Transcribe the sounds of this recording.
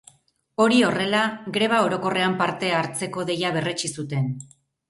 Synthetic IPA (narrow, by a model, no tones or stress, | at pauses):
o̞ɾio̞re̞laɡɾe̞β̞ao̞ɾo̞ko̞re̞ampaɾt̪e̞aɾt͡se̞ko̞ðe̞jaβ̞e̞re̞t͡ʃisut̪e̞n